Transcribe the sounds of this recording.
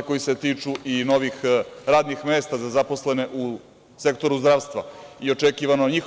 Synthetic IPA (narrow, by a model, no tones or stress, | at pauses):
ko̞jise̞t̪iːt͡ʂuʔino̞ʋixɾaːd̪nixmeːst̪azazapo̞sle̞ne̞ʔu | se̞k̚t̪o̞ɾuzd̪ɾaːʋst̪ʋa̰io̞t͡ʂekiːʋanoɲix